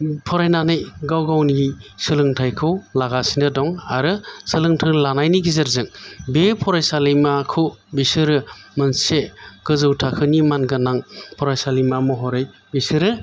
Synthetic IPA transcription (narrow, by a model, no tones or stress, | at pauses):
pʰɔɾajnanɯjɡawɡawnisɯlɯŋtʰajkʰɯwlaɡasinɯdɔŋaɾɯsɯlɯŋtʰɯɾlanajniɡizaɾzɯŋbepʰɔɾajsalijmakʰɯbisɯɾɯmɯnseɡ̥ɯzɯwtʰakʰɯnimanɡɯnaŋpʰɔɾajsalimamɔɦɔɾɯj | bisɯɾɯ